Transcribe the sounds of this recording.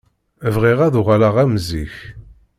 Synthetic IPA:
əvʁiʁæðʊʁælaʁæmziç

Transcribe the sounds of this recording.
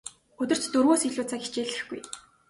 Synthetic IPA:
ɵt̪ɵ̆r̥t͡ɕt̪ɵrwoːsiɮuːt͡sʰaɡit͡ɕeːɮɘ̆xɡ̥uj

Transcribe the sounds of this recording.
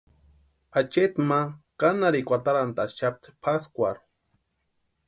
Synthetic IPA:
at͡ʃet̪makanaɾikʷat̪aɾant̪at͡ʃap̚t̪pʰaskʷaɾ

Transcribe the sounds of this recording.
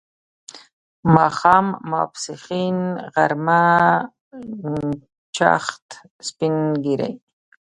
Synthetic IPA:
mɑxɑmːɑ̰psiχinɣaɾma | t͡ʃa̰χt̪ | spinɡiɾa̰j

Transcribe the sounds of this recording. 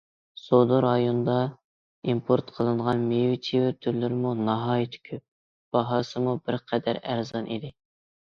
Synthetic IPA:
sod̪oɾɑjond̪ɑ | impʰoɾt̪qʰəlˠɨɴʁɑnmewit͡ʃʰiwɪt̪ʰyɾlɪɾɪmunɑɦɑːjit̪ʰɪ̥kʲʰøp̚ | b̥ɑɦɑːsɨmubɪɾqʰɛd̪æɾæɾzɑnʔid̪ɪ

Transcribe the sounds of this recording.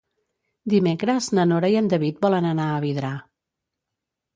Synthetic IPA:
d̪imekɾəznənoɾəiənd̪əβit̪̚bɔlənənaəβiðɾa

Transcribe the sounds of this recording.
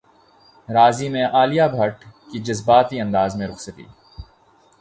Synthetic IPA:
ɾaːzimẽʔaːlijabʱɐʈkid͡ʒɐzbaːt̪iɐ̃nd̪aːzmẽɾʊxsɐt̪ḭː

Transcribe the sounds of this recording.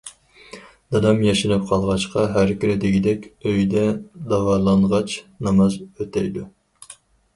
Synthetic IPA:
d̪̥ɑd̪ɑmjɑʃinɨp̚qʰɑlˠʁɑt͡ʃqɑɦæɾkʲyɾɪd̪ɪɡʲid̪ɛkʲøjd̪ɛd̪ɑvɑɾlˠɑɴʁɑt͡ʃnɑmɑzøt̪ʰɛjd̪u

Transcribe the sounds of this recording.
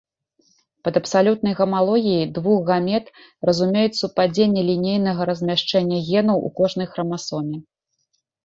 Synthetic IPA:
pɐd̪ɐpsalʲut̪̚nɐjɣɐmalˠɔɣʲijid̪vuɣɣamʲɛt̪ | rɐzumʲejut͡sʲsupad͡zʲenʲːɛlʲinʲejnɐɣɐɾɐzʲmʲaʂt͡ʂɛnʲːɐɣʲɛnɐwʔṵkɔʐn̪ɐjxɾɐmasɔmʲi

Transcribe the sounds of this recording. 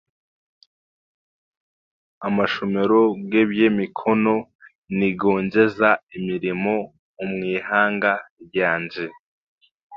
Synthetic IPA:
amaʃome̞ɾoɡebjemikʰono̞ | niɡo̞ːɲɟe̞zaimiɾimo̞ | umŋiːhaːŋɡajaːɲd͡ʒe

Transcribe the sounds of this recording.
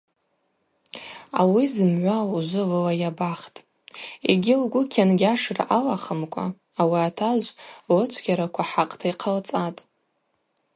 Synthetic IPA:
a̰wizɨmʕʷauʒʷʊlɨlajabaχtʼ | ḛɡʲɪluɡʷʊkʲʰanɡʲaʂrʔalaχəmkʷʼa̰ː | wiatʰaʒʷlɨt͡ʃʷʰɡʲaɾakʷʰaħaqʼtʰaiqʰəlt͡sʼatʼ

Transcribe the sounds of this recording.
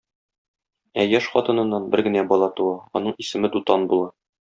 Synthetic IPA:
æjæʃχɒt̪ɤ̆nɤ̆nːɑnbɘɾɡɘ̆næbɒlˠɑt̪uɑɒ̰nɤɴisɘ̆mɘd̪ut̪ɑnbulˠɑ

